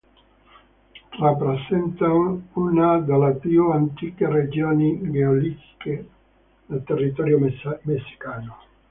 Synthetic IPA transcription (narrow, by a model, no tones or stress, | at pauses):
rapːɾesɛnt̪anounad̪elːepjuant̪iːkered͡ʒioːniɡeolit̪ke | nelt̪erːit̪ɔːɾjomesːi̥kaːno